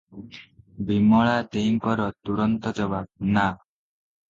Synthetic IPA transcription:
bimɔɭat̪eiŋkɔɾɔt̪uɽɔnt̪ɔd͡ʒɔbak̚na

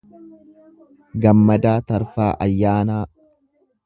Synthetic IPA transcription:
ɡɐmːɐd̪aːt̪ɐɾfaːʔɐ̰jːaːnaː

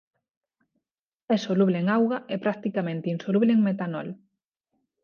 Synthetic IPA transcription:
ɛsoluβleeŋawɣaʔɛpɾak̚t̪ikamẽnt̪einsoluβleeŋmet̪anɔ̰l

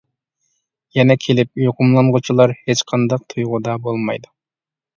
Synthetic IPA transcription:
jɛnɛkʲʰelɪp̚joqʰʊmlˠɑnʁʊt͡ʃʰilˠɑɾhet͡ʃqʰɑnd̪ɑq̚t̪ʰujʁʊd̪ɑbolˠmɑ̰jd̪u

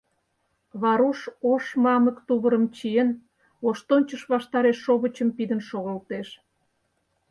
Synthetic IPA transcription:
βɑɾuʃoʃmɑməkt̪uβəɾə̆mt͡ɕiən | oʃt̪onʲt͡ɕəʃβɑʃt̪ɑɾeʃːoβət͡ɕəmpid̪ənʃoɣəlt̪eʃ

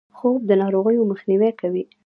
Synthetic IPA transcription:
xob̚d̪ənɑɾoɣəjoməxniwɛkawi

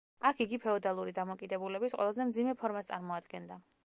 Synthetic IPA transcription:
akʰiɡipʰɛɔd̪alˠuɾid̪amɔkʼid̪ɛbulɛbisqʼwɛ̰lˠazɛmd̪zimɛpʰɔɾmast̪sʼa̰ɾmɔad̪ɡɛnd̪a

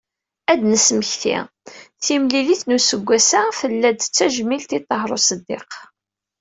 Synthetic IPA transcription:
æd̪nəsməçθḭ | θimliliθnusəɡʷːæsafəlːæd̪t͡sːæʒmilt̪it̪ˤːəɦɾˤosəd̪ːḛq

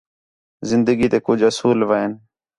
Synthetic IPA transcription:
zɪnd̪əɡiːt̪eːkʊd͡ʒʱɦəsuːlʋaːɪn

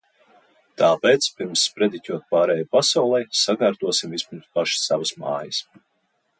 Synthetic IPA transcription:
t̪aːpeːt̪spiɾmsːpɾed̪icʲuɔt̪̚paːɾɛːjpasawlˠɛjsaɡaːɾt̪uɔsimvispiɾmspaʃi̥ssavasma̰ːjɐs

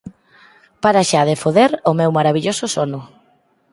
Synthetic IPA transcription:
paɾaʃaðefoðeɾomewmaɾaβiʎosʊsonʊ

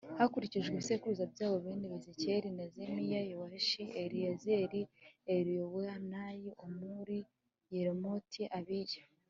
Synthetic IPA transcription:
hakuɾiciʒɡweβisekuɾuzabɟaːβo̞βeːndiβeziceɾinezemijajowaʃieɾiezeɾieɾijoweanajiomuɾi | jeɾemotʰiʔaβiɟḁ

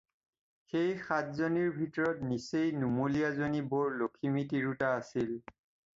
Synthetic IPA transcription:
xejxatzoniɹbʱitɔɹɔtnisejnumolijazonibɔɹlokʰimitiɹutaːsil

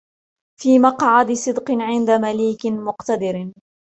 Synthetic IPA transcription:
fiːmɑqʕɑd̪sˤɨd̪qɨʕɪnd̪amaliːkmʊqt̪ad̪ɪɾ

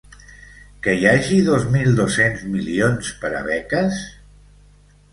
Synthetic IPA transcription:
kəjaʒiðozmilˠd̪osenzmilionspəɾa̰βɛkəs

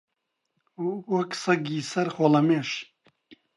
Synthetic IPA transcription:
wɐksɐɡisɐɾxolɐmeːʃ

